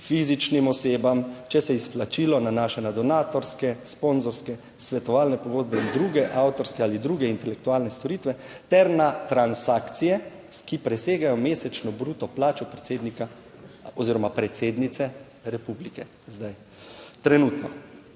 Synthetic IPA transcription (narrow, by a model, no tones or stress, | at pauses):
fizit͡ʃnimɔseːbamt͡ʃɛsɛisplat͡ʃiːlɔnanaːʃɛnad̪ɔnaːt̪ɔɾskɛsponzɔɾskɛ | sʋɛt̪ɔʋaːlnɛpɔɡoːd̪̚bɛind̪ɾuːɡɛʔawt̪ɔɾskɛalid̪ɾuːɡɛint̪ɛlɛkt̪uaːlnɛst̪ɔɾiːt̪ʋɛt̪ɛɾnat̪ɾansaːkt̪sijɛ | kipɾɛseːɡajɔmeːsɛt͡ʃnɔbɾuːt̪ɔplaːt͡ʃɔpɾɛt̪sed̪nika | ɔziːɾɔmapɾɛt̪seːd̪nit̪sɛ | ɾɛpublikɛ | zd̪aj | t̪ɾɛnuːt̪nɔ